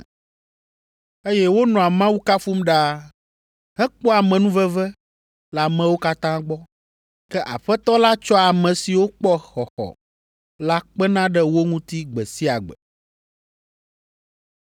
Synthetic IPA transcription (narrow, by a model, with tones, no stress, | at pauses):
e˦jɛ˦wo˦nɔ̃˨a˨mã˦wu˦ka˦fu˦mɖa˦ | ɦɛ˦k͡pɔ˦a˨mɛ̃˨nũ˦vɛ˦vɛ˦ | la˨mɛ̃˦wo˦ka˦t̪ã˦ɡ͡bɔ˦ | kɛ˦ʔa̰˨ɸɛ˦t̪ɔ˦la˦t͡ʃɔ˦a˨mɛ̃˨si˨wo˦k͡pɔ˦xɔ˨xɔ̰˨ | la˦k͡pɛ˦nã˦ɖɛ˦wo˦ŋũ˦t̪i˦ɡ͡bɛ˨si˦a˨ɡ͡bɛ̰˨